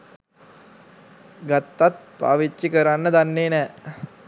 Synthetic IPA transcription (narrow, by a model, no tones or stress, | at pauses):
ɡat̪ːat̪̚pa̰ːʋit͡ʃːikəɾanːəd̪anːeːnɛː